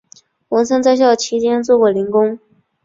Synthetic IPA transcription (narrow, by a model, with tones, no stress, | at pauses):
wɤ˧˥nsʰə˥ŋt͡sa˥˧ɪɕ̬jɑ˥˩t͡ɕʰi˧˥t͡ɕjɛ˥nt͡swɔ˥˩kwɔ˥˩li˧˥ŋkʊ˥ŋ